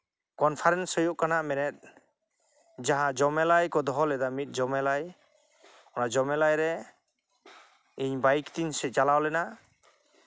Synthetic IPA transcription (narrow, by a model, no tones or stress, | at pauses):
kɔnpʰaɾɛnsɔjɔʔkanaʔmɛnɛt̪̚ˀ | d͡ʒaɦãd͡ʒɔmɛlajkɔd̪ɔɦɔlɛd̪amit̪̚ˀd͡ʒɔmɛlaj | ɔnad͡ʒɔmɛlajɾɛ | iɲbajkt̪insɛt͡ʃalawlɛna